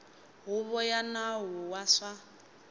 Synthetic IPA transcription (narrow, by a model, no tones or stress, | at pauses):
ɦuβɔjanaɦuwaʂa